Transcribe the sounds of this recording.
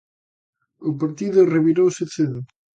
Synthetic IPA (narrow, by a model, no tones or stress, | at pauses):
ʊpaɾt̪iðʊreβiɾowseθeð